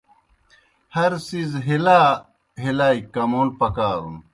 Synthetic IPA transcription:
hɐɾsizɦilaː | ɦilaːikɐmuːlpɐkaːɾṵn

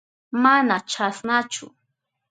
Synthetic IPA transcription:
manat͡ʃʰasnat͡ʃʊ̰

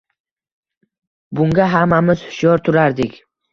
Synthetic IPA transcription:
bʊŋɡʲaɦamːamɪz̥hʊʃjɒɾt̪ʰʊɾaɾd̪ɪkʲ

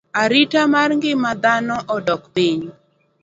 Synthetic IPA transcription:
aɾitamarŋɡɪmad̪anɔʔɔdɔkpiɲ

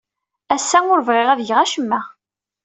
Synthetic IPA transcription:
æsːæʊɾəvʁɪʁæðjʁæʃəmːæ

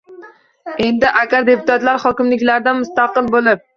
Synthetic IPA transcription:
e̞nd̪ɪʔakʲaɾd̪e̞pʰʊt̪ʰat̪laɾhɒkʲɪmlɪkʲlaɾd̪amʊst̪ɑqɨlˠbolɪp̚

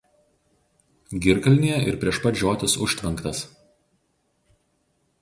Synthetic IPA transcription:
ɡʲɪɾkɐlʲnʲeːjɛɪɾpʲɾʲiɛʃpɐt̪d͡ʒʲoːt̪ʲɪsʊʃʲt̪ʲʋʲɐŋˑkt̪ɐs

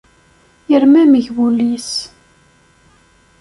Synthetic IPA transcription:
jəɾmæməʝbulis

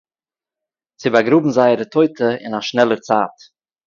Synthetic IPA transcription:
t͡sɪbaɡɾuːbm̩zaɪəɾətʰoɪtʰəɪ̰naʃnɛlˠəɾt͡saːt

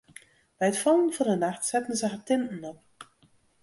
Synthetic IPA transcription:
b̥ɛjətfɔlˠənfɔrdənaxtsɛtən̩səxətɪntn̩ɔp̚

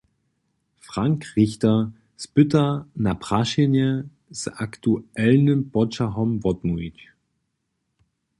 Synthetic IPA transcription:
fʁ̥aŋkʁɪçtɐ | spʏtɐnapʁ̥aʃenɛ | saktuʔɛlnəbɔt͡ʃaɦɔmvɔtnuit͡ʃ

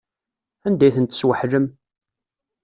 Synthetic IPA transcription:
ænd̪æjθənt̪ə̥swəħləm

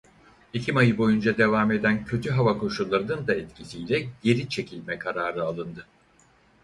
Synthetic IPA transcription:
icʰimajɯbo̞jund͡ʒad̪e̞vaːme̞d̪æncʰø̞t̪ʰyɦavakʰo̞ʃulˠːaɾɯnɯnd̪aɛt̪cʰisijlʲɛɟe̞ɾit͡ʃʰe̞cʰilʲmɛkʰaɾaːɾɯalˠɯnd̪ɯ

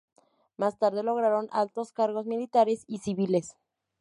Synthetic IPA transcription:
mast̪aɾð̞e̞lo̞ɣɾaɾo̞nalt̪o̞skaɾɣo̞zmilit̪aɾesisiβile̞s

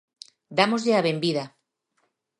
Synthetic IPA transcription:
d̪amozʎeaβembiða

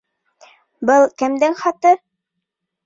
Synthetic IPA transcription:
bɤlˠkɘ̆md̪ɘŋχɑt̪ɤ

